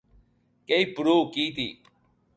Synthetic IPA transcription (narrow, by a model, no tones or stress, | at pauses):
keiːpʊɾuːkiːt̪ʰḭː